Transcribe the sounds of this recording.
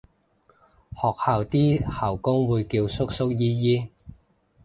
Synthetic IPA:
hɔː˨˩k̚haː˨wt̪iː˥hɐː˨˩wkʊ˥ŋwuː˨˧jkiː˧wsʊ˥k̚sʊ˥k̚jiː˥jiː˥

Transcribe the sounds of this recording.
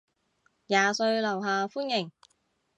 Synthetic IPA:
jaː˨sɵ˧ɥlɐ˨˩wɦaː˨fuː˥njɪ˨˩ŋ

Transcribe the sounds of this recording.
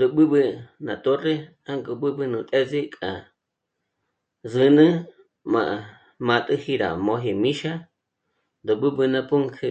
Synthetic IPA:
nd̪o˨ɓɨ˦ɓɨ˧na˨t̪o˦re˦ | a˦ŋkʼo˧ɓɨ˦ɓɨ˧nũ˧t̪ʼɛ˦zi˦kʼa̰˨ | zɨ˧nɨ̃˦ | mã˧ʔ | mã˧t̪ʼɨ˦˧hi˧ɾa̰˨mõ˧ɦe˧mĩ˦ʃa˦ | nd̪o˨ɓɨ˦ɓɨ˧nã˧pu˦ŋkʰe˧

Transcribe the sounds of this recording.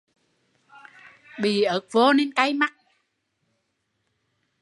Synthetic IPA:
ɓi˨˩ʔəː˨˦k̚vo˧˦ne˧nka˧jma˦˥t̚

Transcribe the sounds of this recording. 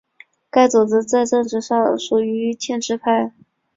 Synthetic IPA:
ka˥˩ɪt͡su˨˩t͡sɹ̩˥t͡sa˥˧ɪʈ͡ʂɤ˥˧ŋʈ͡ʂɻ̩˥˩ʂɑ˥˩ŋʂu˨˩y˧˥t͡ɕʰjɛ˥˧nʈ͡ʂɻ̩˥˧pʰa˥˩ɪ

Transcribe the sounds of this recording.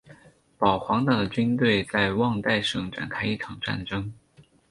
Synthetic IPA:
pɑ˨˩ʊxwɑ˧˥ŋt̪a˥˩d̪ə˩t͡ɕy˥nt̪we˥˧ɪt͡sa˥˧ɪwɑ˥˧ŋt̪a˥˩ɪʂɤ˥˩ŋʈ͡ʂa̰˨˩nkʰa˥ɪi˥˩ʈ͡ʂʰɑ˨˩ŋʈ͡ʂa̰˥˩nʈ͡ʂɤ˥ŋ

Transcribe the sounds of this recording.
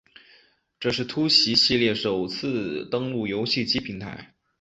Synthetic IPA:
ʈ͡ʂɤ˥˧ʂ̬ɻ̩˥˩t̪ʰu˥ɕi˧˥ɕi˥˧ljɛ˥˩ʂo˨˩ʊt͡sʰɹ̩˥˧t̪ɤ˥ŋlu˥˩jo˧˥ʊɕi˥˩t͡ɕi˥pʰi˧˥ŋt̪ʰa̰˧˥ɪ

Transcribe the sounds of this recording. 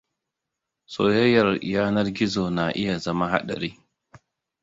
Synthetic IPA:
so̰ː˨jɐ˦jːɐ˨rjaː˦nɐ˦rɡʲɪ˦zoː˨na˨ʔɪ˦ja˨zɐ˦ma˦ɦa̰˦ɗɐ̰˨ɾiː˦

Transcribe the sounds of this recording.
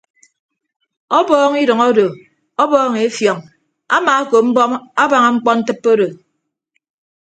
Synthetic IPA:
ɔ˦bɔː˦ŋi˦ɾʌ˨ŋɔ˦do˨ | ɔ˦bɔː˦ŋe˨˦fjɔ˨ŋ | a̰˦maː˨a˦ko˨m̩˦bɔ˦ma˦ba˨ŋa˦ŋ͡m̩˦k͡pɔ˦n̩˦tɨ˦pːo˦ɾo˨

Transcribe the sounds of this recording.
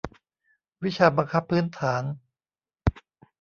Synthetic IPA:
wi˦˥t͡ɕʰaː˧ba˧ŋkʰa˦˥pʰːɯː˦˥nt̪ʰaː˩˦n

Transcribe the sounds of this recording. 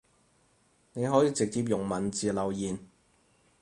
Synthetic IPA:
ne˨˧jɦɔː˨˥jiː˨˧t͡sɪ˨k̚t͡siː˧p̬jʊ˨˩ŋmɐ˨˩nt͡siː˨lɐ˨wjiː˨˩n

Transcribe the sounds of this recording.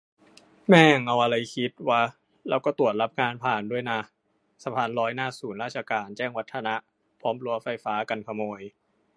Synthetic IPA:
mɛː˥˩ŋʔa˧wʔa˧ɾa˧jkʰi˦˥t̪̚waː˦˥˩ | lɛː˦˥wkɔː˥˩t̪u˨˩ət̪̚la˦˥p̚ŋaː˧npʰaː˨˩ndu˥˩əjna˧˩ | sa˧pʰaː˧nɾɔː˦˥jnaː˥˩suː˨˩˦nɾaː˥˩t͡ɕʰa˧kaː˧nt͡ɕɛː˥˩ŋwa˦˥t̪ʰːa˧na˦˥ | pʰɔː˦˥mlu˧ɐfa˧jfaː˦˥ka˧nkʰa˧moː˧j

